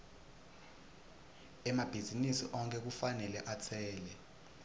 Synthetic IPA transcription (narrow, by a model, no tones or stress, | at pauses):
ɛmab̥ʱizinisḭʔɔŋkʰʼɛk̬ufanɛlɛʔat͡sʰɛːlɛ